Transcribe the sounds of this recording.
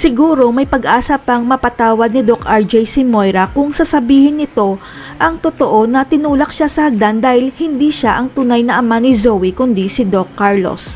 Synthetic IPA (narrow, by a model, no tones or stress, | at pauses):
sɪɡuːɾo̞mɐjpɐɡʔaːsɐpɐŋmɐpɐt̪aːwɐd̪̚nɪd̪okʔɐɹd͡ʒɛjsɪmojɾɐkʊŋsɐsɐbiːhɪnːɪt̪o̞ | ʔɐŋt̪ot̪o̞ʔo̞nɐt̪ɪnuːlɐk̚ʃasɐhɐɡ̚d̪and̪aːhɪlhɪnd̪iʃaʔɐŋt̪unajnɐʔɐmanɪzowikʊnd̪isɪd̪okːaɹlo̰s